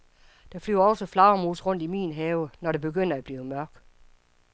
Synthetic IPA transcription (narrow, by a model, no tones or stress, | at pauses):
d̥ɑ̈flyʊɐɒ̽səflɑ̈ʊmuːsʁɔ̽n̰d̥imḭːnɦɛːʊnɒɾeb̥e̝ɡ̥øn̰ɐæb̥liːʊəmɶɐɡ̥